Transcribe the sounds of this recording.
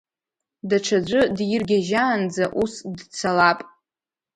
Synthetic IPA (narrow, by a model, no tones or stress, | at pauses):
daʈ͡ʂʰad͡ʒʷʼɨdjɪrɡʲaʒaːnd͡zaʔusdt͡sʰalapʼ